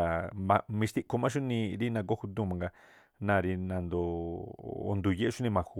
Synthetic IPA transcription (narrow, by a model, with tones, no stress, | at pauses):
a˨mã̰˧mĩ˧ʃt̪i˦ʔko˧mã˦ʃ̬u˦nĩ˧ɾi˦nã˧k̬o˦hu˧d̪ũ˦˧mã˨ŋɡa˧ | nã˧ɾi˧nã˧nd̪o˧ | o̰˧nd̪u˧˨je˧ʔu˦nĩ˧mã˨xu˧